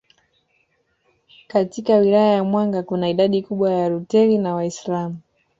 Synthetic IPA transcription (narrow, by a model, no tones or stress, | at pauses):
katikawilajajamwaŋɡakunaiɗaɗikuɓwajaɾutɛlinawaislamu